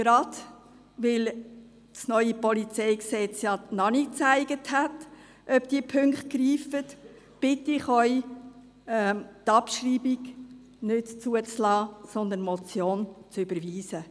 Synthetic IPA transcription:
ɡ̥ɾɑd̪ | ʋɪl | snœʏipɔlit͡sɛɪksɛt͡sjɑnɑnit͡sæɪɡəthæt | ʔœpd̥iəpʰʏŋkχt̚kɾiːfət | b̥ɪtɪχœʏ | ɛt̪ɑpʃriːbiɡ | nɪtt͡suət͡slɑːsɔnd̪ənmɔt͡sjoːnt͡sʏbəɾʋiːsə

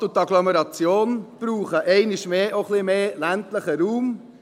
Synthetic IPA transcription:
tʊt̪ɑɡlɔmɛɾɑt͡sjoːnb̥ɾuːχəʔɛɪnɪʃmeːʔoχlimeːlæntləχəɾuːm

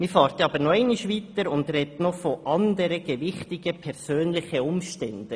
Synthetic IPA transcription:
mɪfɑːɾt̪ɑːbəɾnoɛɪnɪʃʋiːtəɾʊndrɛtnofoʔɑnd̪əɾəɡ̥eʋɪχtɪɡ̥əpʰɛɾsøːnlɪχəʊmʃtɛnd̥ə

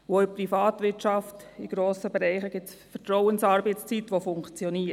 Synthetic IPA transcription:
ʋoɪprifɑːtʋɪɾt͡ʃɑftiɡ̥ɾoːsəbɛɾɛɪχəɡ̥ɪtsfətɾɔwənsɑːɾbɛɪt͡st͡sit̪ʋofʊŋkt͡sjɔniːə

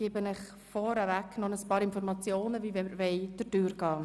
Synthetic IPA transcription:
iːbənəχ | fɔɾəvæknɔnəspɑːɾɪnfɔɾmɑt͡sjoːnəvivɛməɾʋɛɪd̥ədyːɾɡ̥ɑː

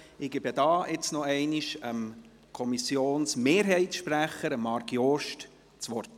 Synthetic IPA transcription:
ɪɡ̥ebjədɑːʔɪt͡snɔɛɪniʃəm | kʰɔmisjoːnsmeːɾɦɛɪtʃpɾæχəɾəmːɑɾɡjoʃt | t͡sʋɔrt

